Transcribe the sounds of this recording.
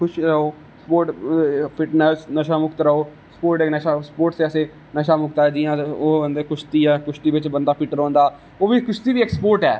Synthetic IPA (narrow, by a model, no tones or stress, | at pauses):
kʰʊʃɾəɦoː | spoːɾʈpʰɪʈnɛːsnəʃaːmʊkt̪ɾəɦoː | spoːɾʈenəʃaːspoːɾʈseəseː | nəʃaːmʊk̚t̪ːɛːd͡ʒiːãːoːbənd̪eːkʊʃt̪iːɛːkʊʃt̪iːʋɪt͡ʃbənd̪aːpʰɪʈɾɔ̃ːnd̪aː | oːʋiːkʊʃt̪iːʋiːeksəpoːɾʈɛ̰ː